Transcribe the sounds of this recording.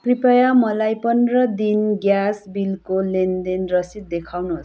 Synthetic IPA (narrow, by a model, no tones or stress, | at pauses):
kripʌjamʌlajpʌnrʌd̪inɡjasbilkolend̪enrʌsit̪̚d̪ekʰawnuɦos